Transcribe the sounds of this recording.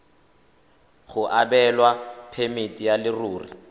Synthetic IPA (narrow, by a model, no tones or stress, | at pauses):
ɣʊʔabɛlwapʰemɪtʼijalɪruːrḭ